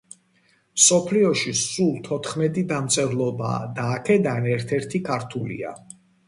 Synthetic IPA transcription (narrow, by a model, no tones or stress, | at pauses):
msɔpʰliɔʃisulˠt̪ʰɔt̪ʰχmɛt̪ʼid̪amt̪sʼɛɾlˠɔba̰d̪aːkʰɛd̪anɛɾt̪ʰɛɾt̪ʰikʰaɾt̪ʰulḭa̰